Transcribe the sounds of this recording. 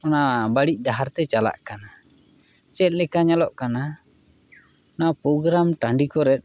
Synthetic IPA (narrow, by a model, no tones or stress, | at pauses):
ɔnabaɽic̚ˀdaɦaɾt̪ɛt͡ʃala̰ʔkana | t͡ʃɛt̪̚ˀlɛkaɲalɔʔkana | napɾɔɡɾamʈaɳɖikɔɾɛt̪̚